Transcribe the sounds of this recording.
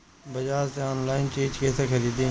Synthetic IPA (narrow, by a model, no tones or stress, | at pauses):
bɐd͡ʒaːzt̪eoːnlaːɪnt͡ʃiːd͡ʒkeːsexɐɾiːd̪iː